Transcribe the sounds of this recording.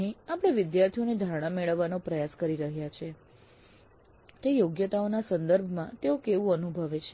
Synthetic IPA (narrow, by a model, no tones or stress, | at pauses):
ĩapəɽ̃eʋɪd̪jaɾt̪ʰijoned̪ʱaɾɽ̃ameɭəʋːanopɾəjaskəɾiɾəɦjat͡ʃʰe | t̪ejoɡjət̪aonasənd̪əɾbʱmãt̪eokeʋũənubʱəʋet͡ʃʰe